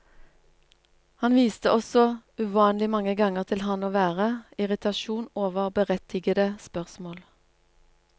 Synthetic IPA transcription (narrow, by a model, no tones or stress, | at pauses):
hɑnʋiːst̪əʔɔsɔʉʋɑːnlɪmɑŋəɡɑŋəʁt̪ʰɪlɦɑnoːʋæːʁəɪʁɪt̪ʰɑʃuːnoːʋəʁbəʁɛt̪ʰɪɡəd̪əspœʁsmoːl